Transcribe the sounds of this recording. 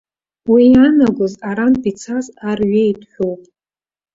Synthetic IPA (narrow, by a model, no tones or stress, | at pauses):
wianaɡʷʊzaɾanpʼit͡sʰazarɥejtʰʼħʷᶣowpʼ